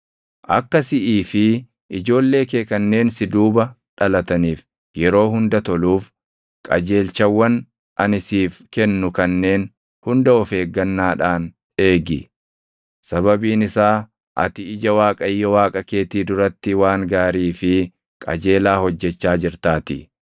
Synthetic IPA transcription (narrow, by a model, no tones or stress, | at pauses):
ʔɐ̰kːɐsɪʔiːfɪ | ɪd͡ʒo̞ːlːe̞ːkeːkɐnːe̞ːnsɪd̪uːbɐ | ᶑɐlɐt̪ɐniːf | jɛɾo̞ːɦʊnd̪ɐt̪ɔluːf | kʼɐ̰d͡ʒe̞ːlt͡ʃɐwːɐn | ʔɐnɪsiːfkɛnːʊkɐnːe̞ːn | hʊnd̪ɐɔfe̞ːɡːɐnːaːᶑaːn | e̞ːɡɪ | sɐβɐbiːnɪsaː | ʔɐ̰t̪ɪɪd͡ʒɐwaːkʼɐɪjːɐwaːkʼɐke̞ːt̪iːd̪ʊɾɐt̪ːɪwaːŋɡaːɾiːfɪ | kʼɐ̰d͡ʒe̞ːlaːhɔd͡ʒːɛt͡ʃːaːd͡ʒɪɾt̪aːt̪ɪ